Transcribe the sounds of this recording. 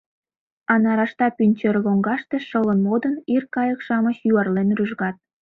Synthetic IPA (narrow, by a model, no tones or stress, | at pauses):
ɑnɑɾɑʃt̪ɑpynʲt͡ɕerloŋɡɑʃt̪eʃɤlənmod̪ənirkɑjəkʃɑmə̆t͡ɕjuɑrlenryʒɣɑt̪̚